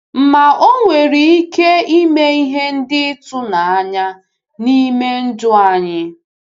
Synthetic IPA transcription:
m̩˨ma˨ʔo˦ŋʷe˨ɾi˨i˦ke˦i˦me˦i˦ɦe˦n̩˦dɪ˦tʊ˦na˨a˦ɲa˦ | ni˦me˦n̩˦dʊ˦a˦ɲɪ˦

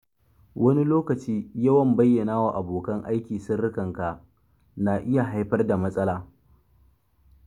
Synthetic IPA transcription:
wʔɐ˦ni˦loː˦kɐ˨t͡ʃiː˦jɐ˦wɐ˨mbɐ˦jːɐ˨naː˦waː˨ʔa˨boː˨kɐ˦ŋʔa̰˦jkʲiː˨sʊ˦nːɪ˦kɐ˨ŋka˨ʔ | naː˨ʔɪ˦ja˨ɦa˦jɸɐ˦rda˨mɐ˦sʼɐ˦laː˨

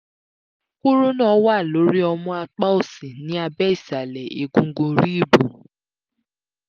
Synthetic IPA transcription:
ku˦ɾu˦nãː˦˨˦wa˦˨lo˨˦ɾi˦ɔ˧mɔ̃˧a˧k͡pa˦o˦˨sĩ˨nĩ˨˦a˧bɛ˦i˦˨sa˨lɛ˨ḭ˨ɡũ˧˦ɡũ˧ɾi˦˨bu˨

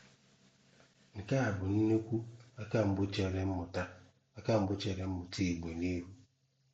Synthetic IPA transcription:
ŋ̩˨ka˦a˨bʊ˨n̩˦ne˦kʷu˦a˦ka˦m̩˦bʊ˦t͡ʃe˨ɾe˦m̩˦mʊ˨ta˦ | a˦ka˦m̩˦bʊ˦t͡ʃe˨ɾe˨m̩˦mʊ˨ti˦˨ɡ͡be˨ni˦ɦu˦

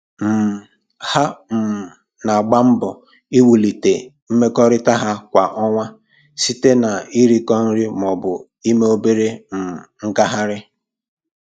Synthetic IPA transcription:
m̩˨ | ha˦m̩˨ | na˨a˨ɡ͡ba˦m̩˦bɔ˨ | i˦wu˨li˨te˨ | m̩˦me˦kɔ˦ɾɪ˦ta˦ɦa˦kʷa˨ʔɔ˦ŋʷa˦ | si˦te˦na˨i˦ɾi˦kɔ˦n̩˦ɾi˦m˨ɔ˨bʊ˨ | i˦me˦o˦be˦ɾe˦m̩˨ŋ̩˦ka˦ɦa˦ɾɪ˦

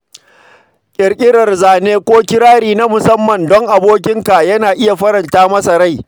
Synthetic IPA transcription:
kʲʼɪ˨ɾkʲʼɪ˦ɽɐ˨rzaː˨neː˦kʷoː˦kʲɪ˦ɾaː˦ɽiː˨na˦mʊ˨sɐ˦mːɐ˨ndɔ˦ŋʔa˨boː˦k̬ʲɪ˦ŋka˨jɐ˦naː˨ʔɪ˦ja˨ɸɐ˦ɾɐ˨ntaː˦mɐ˦sɐ˨ɾa˦˨j

